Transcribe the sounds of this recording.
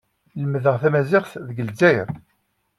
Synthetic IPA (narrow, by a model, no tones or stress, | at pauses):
ləmðəʁθæmæzɪχθðəɡəlzæjɾ